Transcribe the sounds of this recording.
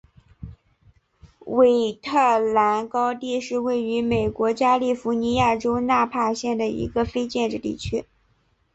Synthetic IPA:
we˨˧˩ɪt̪ʰɤ˥˩la˧˥nkɑ˥ʊt̪i˥˧ʂɻ̩˥˧we˥˩ɪy˧˥me˨˩ɪkwɔ˧˥t͡ɕja˥li˥˩fu˧˥ni˧˥ja˥˩ʈ͡ʂo˥ʊna˥˧pʰa˥˧ɕjɛ˥˩nd̪ə˩ḭ˧˥ɡə˧fe˥ɪt͡ɕjɛ˥˧nʈ͡ʂɻ̩˥˧t̪ḭ˥˩t͡ɕʰy˥

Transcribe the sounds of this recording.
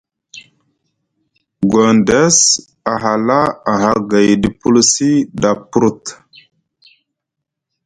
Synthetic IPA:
ɡa˨ndɛ˦s | a˨ɦa˨la˦a˨ɦa˦ɡa˨jdi˨pu˦lsi˦da˨pɾu˦t̪

